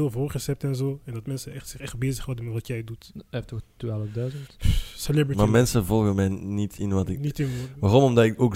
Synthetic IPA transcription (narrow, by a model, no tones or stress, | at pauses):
ɪːlˠvoːrɣəshɛp̚tɛnzoːɛndɑtmɛnsəɛxtsɪχɛxt̚beːzəxhɔdənmʋɑtjɛjdutɛftoxtʋaːləfdœɥzəntselɛbɹimamɛnsəvɔlˠɣəmɛjnitʰɪnʋɑtɪnitɪnʋarɔmɔmdɑtɪkoːk